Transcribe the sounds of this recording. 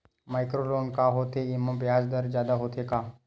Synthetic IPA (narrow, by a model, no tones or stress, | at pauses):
majkɾoloːnkaɦot̪eimə̃bjaːsd̪əɾd͡ʒjaːd̪aɦot̪ʰeka